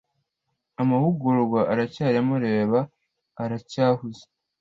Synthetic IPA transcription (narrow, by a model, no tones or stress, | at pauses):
amaβuɡuɾuɡwaʔaɾacaːɾamaɾeβaː | ɾacaːhuze̥